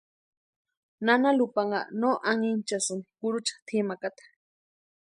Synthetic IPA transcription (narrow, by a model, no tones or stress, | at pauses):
nanalupaŋa̰noʔaŋint͡ʃasɨnikuɾut͡ʃḁt̪ʰimakat̪ḁ